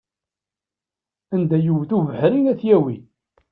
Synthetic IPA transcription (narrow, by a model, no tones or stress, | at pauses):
ænd̪æjuwθuvəħɾinæθjæwi